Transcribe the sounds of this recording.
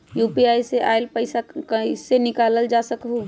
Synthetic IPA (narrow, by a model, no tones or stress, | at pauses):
jupiajseʔaelpəɪsakəisenɪkaləld͡ʒasəkɦu